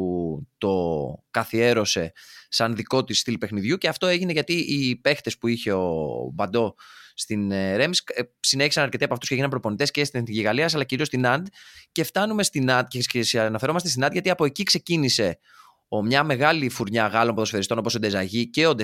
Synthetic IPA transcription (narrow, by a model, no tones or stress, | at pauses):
ut̪o̞kɐθie̞ɾo̞se̞sɐnðiko̞t̪isːt̪ilpe̞xniðʝuceɐft̪o̞eʝine̞ʝɐt̪iipe̞xt̪e̞spuiçe̞obɐnd̪o̞st̪ineɾe̞msksine̞çisɐnɐɾcet̪iɐpoɐft̪usceʝinɐmpɾo̞po̞nit̪e̞scest̪ineθniʝiɣɐliɐs̬ɐlɐciɾio̞st̪inɐnd̪ce̞ft̪ɐnume̞st̪inɐnd̪̚cecsnɐfeɾo̞mɐst̪est̪inɐnd̪ʝɐt̪iɐpo̞ecikse̞cinise̞ | omɲɐme̞ɣɐlifuɾɲɐɣɐlo̞mpoðosfeɐɾist̪onposod̪ezɐʝiceod̪e